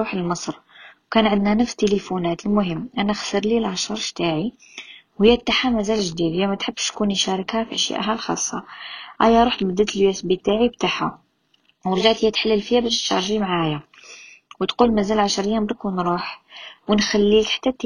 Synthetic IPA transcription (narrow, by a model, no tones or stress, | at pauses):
uħəlməsˤɾwkænʕənd̪nænəfst̪elifunæt̪əlmʊɦəmːʔænæxsəɾˤlilʕaʃəɾˤʃt̪aʕi | whəjːæb̚t̪ːaħamæzælʒd̪id̪jæmæt̪ħəbːʃt̪kuniʃæɾˤɑkhæfiʔəʃja̰ʔɦælxɑ̰sˤːɑʔæjæɾˤuħt̪bəd̪ːət̪əlwjæsbit̪aʕib̚t̪aħa̰ | wəɾʒaʕt̪həjːæt̪ħalːəlfəjːæbæʃnʃɑ̰ɾˤʒimʕajæ | wət̪qulmæzælʕaʃɾəjːæmbɾkwnɾˤuħwənxælːikħḁt̪ːæt̪ː